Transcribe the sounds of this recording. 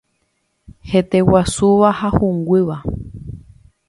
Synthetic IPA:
het̪ewasuʋahahũŋɡʷɨʋa

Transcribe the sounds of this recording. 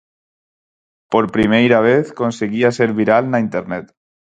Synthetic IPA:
po̞ɾpɾimejɾaβ̞e̞θko̞nseɣiase̞ɾβiɾalnaint̪eɾnet̪

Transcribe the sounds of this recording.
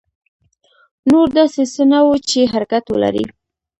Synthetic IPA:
noɾd̪asesənawut͡ʃeɦaɾakat̪wə̰la̰ɾḭ

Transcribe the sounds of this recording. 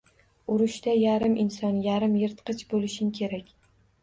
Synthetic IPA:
ʊɾʊʃt̪ajaɾɪmʔɪnsɒnjaɾɪmjɪɾt̪qɨt͡ʃbolɪʃɪnkʲʰe̞ɾakʲ

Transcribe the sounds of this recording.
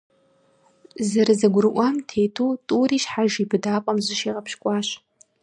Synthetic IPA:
zɐɾɨzɐɡʷʊrɨʔʷamtʰejtʰʼuːtʼuriːʃħaʒibɨdaːpʼɐmzɨʃiːʁɐpʃkʷʼaːɕ

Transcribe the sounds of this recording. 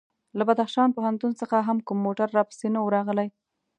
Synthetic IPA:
labad̪axʃɑnpohant̪unsəxaɦamkumːoʈaɾːɑpə̥senawəɾɑɣəlaj

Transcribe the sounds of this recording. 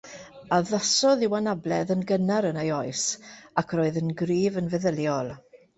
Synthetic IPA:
aðasɔðɪwanablɛðənɡənaɾənejɔɨsakʰroːɨðənɡriːvənvɛðəlˠjɔlˠ

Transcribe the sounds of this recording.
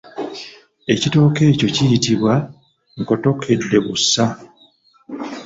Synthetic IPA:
e̞cito̞ːke̞ːco̞cijitiβwa | ŋko̞to̞kʰe̞dːe̞βusːa

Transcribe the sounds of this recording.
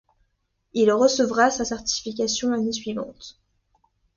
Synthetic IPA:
ilʁəsəvʁasasɛʁt̪i̥fik̬ʲasjɔ̃anesɥivɑ̰̃t̪

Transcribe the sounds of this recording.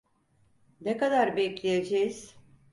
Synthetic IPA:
nekad̪aɾbɛclʲijed͡ʒɛjiz̥

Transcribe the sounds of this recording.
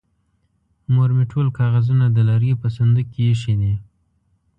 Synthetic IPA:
moɾmiʈʰolkɑɣazunad̪əlaɾjepəsand̪əkːejeʃ̬ini

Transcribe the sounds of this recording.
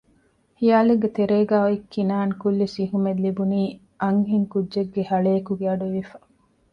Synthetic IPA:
hijaːleɡːet̪eɾeːɡæːoikːinaːŋkulːisiɦumelːibuniː | ʔɐŋɡiŋkudd͡ʒeɡːehɐɭeːkuɡeɐɖuʋifɐ̥

